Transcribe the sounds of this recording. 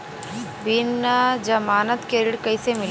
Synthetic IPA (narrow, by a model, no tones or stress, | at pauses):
bɪnːəd͡ʒɐmaːnət̪keɾɪɽkɐisemɪl